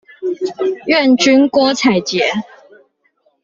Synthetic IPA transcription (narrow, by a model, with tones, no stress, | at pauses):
ɥɛ˥˨nt͡ɕy˦nkwɔ˦t͡sʰa˨˩ɪt͡ɕjɛ˨˦